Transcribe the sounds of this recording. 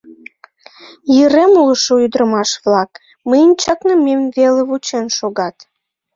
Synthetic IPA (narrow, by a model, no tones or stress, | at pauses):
jəɾemuləʃoyd̪ɾəmɑʃβlɑk | məjənʲt͡ɕɑknəmemveleβut͡ɕenʃoɣɑt̪